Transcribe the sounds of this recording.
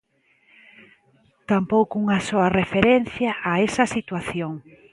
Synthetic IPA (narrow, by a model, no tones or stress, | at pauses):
t̪ampowkʊuŋɐsɔɐrefeɾenθjɐʔaesɐsit̪waθjoŋ